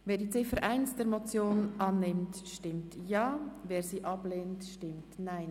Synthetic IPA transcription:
veːɐdiːt͡sɪfəɾʔaɪnsd̥eːɾmot͡sjoːnʔɑnːɪmtʃtɪmtjɑːveːɾsiːʔɑb̥leːntʃtɪmtnaɪn

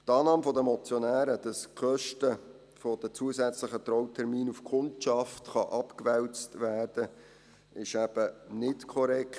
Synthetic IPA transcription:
tɑːnɑːmfɔdəmɔt͡sjonæːɾəd̥ɑskχœʃtə | fod̥ət͡suəsæt͡slɪχət̪ɾɔwtʰɛɾmiːnufkʰʊntʃɑftχɑʔɑpkvɛlt͡stvæːrd̥ə | ɪʃæb̥ənɪtkʰɔɾɛkt

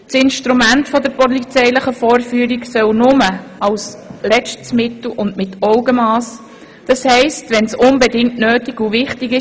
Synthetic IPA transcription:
t͡sɪnʃtɾumæntfɔd̪əɾpɔlit͡sɛɪləχəfɔːɾfyːəɾiksœwnʊməɑwslɛt͡ʃtəsmɪtl̩ʔʊndmɪtɔʊɡəmɑːs | d̥ɑshɛɪstʋɛnsʊnbɛdɪŋtnøːtiɡuʋɪχtɪɡɪ

